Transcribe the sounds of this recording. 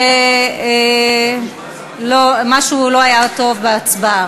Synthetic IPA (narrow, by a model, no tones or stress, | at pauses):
ee | lomaʃulo̞ajat̪o̞vbeat͡sbaa